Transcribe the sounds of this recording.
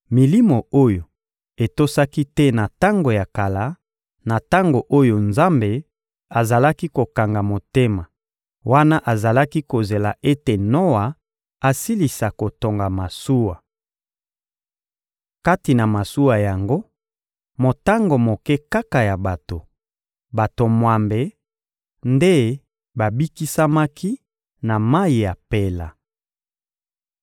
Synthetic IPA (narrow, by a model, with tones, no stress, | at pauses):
mi˨li˦mo˨o˦jo˨ | e˨to˦sa˦ki˦tɛ˦na˨ta˦ŋɡo˨ja˨ka˨la˨˦ | na˨ta˦ŋɡo˨ʔo˦jo˨nza˦mbe˨ | a˨za˨la˦ki˦ko˨ka˨ŋɡa˨mo˨te˦ma˨ | wʔa˦na˦ʔa˨za˨la˦ki˦ko˨ze˨la˨e˦te˨no˦wa˨ | a˨si˦li˨sa˨ko˨to˨ŋɡa˨ma˨su˦wa˨ | ka˦ti˨na˨ma˨su˦wa˨ja˨ŋɡo˦ | mo˨ta˦ŋɡo˨mo˨kɛ˦ka˦ka˨ja˨ba˨to˨ | ba˨to˨mwa˨mbe˨ | nde˦ | ba˨bi˦ki˦sa˦ma˦kʰi˦ | na˨ma˦i˨ja˨pe˦la˨